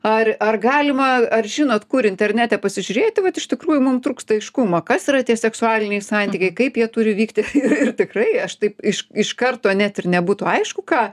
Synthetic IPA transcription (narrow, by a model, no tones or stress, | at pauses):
ɐrɐrɡɑːlʲɪmɐɐrʒʲɪnoːt̪kʊɾɪnʲt̪ʲɛrʲnʲæːt̪ʲɛpɐsʲɪʒʲʊɾʲeːt̪ʲɪʋɐt̪ɪʃt̪ʲɪkɾuːjʊmʊmt̪ɾuːkst̪ɐɐɪʃkumɐkɐsiːɾɐt̪ʲiɛsʲɛksʊɑːlʲɪnʲɛɪsɑnʲt̪ʲiːkɐɪkɐɪpjiɛt̪ʊɾʲɪʋʲiːkt̪ʲɪɪrɪrt̪ʲɪkrɐɪɐʃt̪ɐɪpɪʃɪʃkɐrt̪oːɐnʲɛt̪ʲɪrnʲɛbuːt̪ʊɐɪʃkʊkɑː